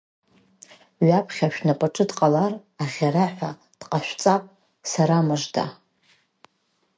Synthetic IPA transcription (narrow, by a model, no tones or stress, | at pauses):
ɥapʰχʲaʃᶣnapʼaʈ͡ʂʼɨdqʼalaraʁʲaɾaħʷa | d̥qʼaʃʷᶣt͡sʼapʼ | saɾamaʐda̰